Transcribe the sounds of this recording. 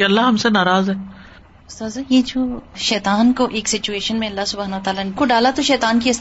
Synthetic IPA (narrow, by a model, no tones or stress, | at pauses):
keɐlːaɦɐmsenaːɾaːzɦɛː | ʊst̪ozɐjed͡ʒoːʃɛːt̪aːnkoʔeːksɪt͡ʃueːʃənmẽɐlːaɦsʊbʱaːnʋɐt̪aːlankoɖaːlat̪oʃɛːt̪aːnkiɐs